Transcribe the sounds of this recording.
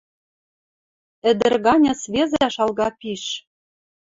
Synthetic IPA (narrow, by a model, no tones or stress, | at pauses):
ɘ̆d̪ɘ̆rɣɑnʲɑsβezæʃɑlɣɑpiʃ